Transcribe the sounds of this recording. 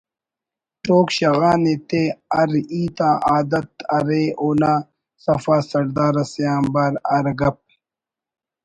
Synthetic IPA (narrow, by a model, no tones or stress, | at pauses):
ʈoːkɕɐɣaːnet̪eːɐɾiːt̪ãːʔaːd̪ɐt̪ɐɾeːoːna | sɐfaːsɐɾd̪aːɾɐsijaːmbaːɾɐɾɡɐp̚